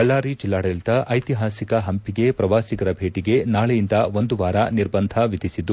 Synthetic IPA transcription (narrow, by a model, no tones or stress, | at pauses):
kɐɭːaːɾit͡ʃilːaːɽɛlt̪ɐʔɐjt̪iɦaːsikɐɦɐmpiɡe̞pɾɐʋaːsikɐɾɐbʱeːʈiɡe̞naːɭejind̪ɐʋo̞nd̪uʋaːɾɐniɾbɐnd̪ʱɐʋid̪ʱisid̪u